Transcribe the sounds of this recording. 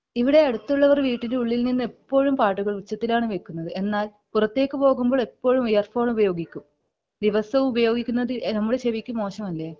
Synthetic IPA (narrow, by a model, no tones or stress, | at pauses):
iʋiɽe̞ɐɽut̪ːuɭːɐʋɐrʋiːʈːindeuɭːilninːɨe̞pːo̞ːɻumpaːʈːuɣɐɭʋut͡ɕːɐt̪ːilaːɳɨʋe̞kːunːɐðɨe̞nːaːl | purɐt̪ːe̞ːkːɨpo̞ːɣumbo̞ːɭepːo̞ːɻumijɐrfo̞ːɳubɐjo̞ːɡikʲːum | d̪iʋɐsɐʋumubɐjo̞ːɡikʲːunːɐðɨnɐmːuɽe̞ɕeʋikʲːumo̞ːɕɐmɐlːeː